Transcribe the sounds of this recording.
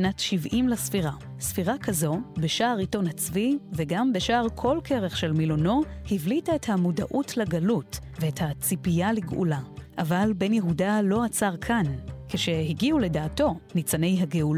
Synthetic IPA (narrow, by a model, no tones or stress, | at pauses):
natʃivʔimlasfiʁa | sfiʁakʰazo̞beʃaːʁito̞nhat͡sviveɡambe̞ʃaːʁkʰo̞lkʰeʁe̞χʃe̞lmilono̞hivlitaethamuda̰ʔutʰlaɡalut | veethat͡sipijaliɡʔṵlaʔavalbe̞njeɦudalo̞at͡saʁkʰankeʃe̞hiɡiule̞daːto̞nit͡sane̞jɦaɡeul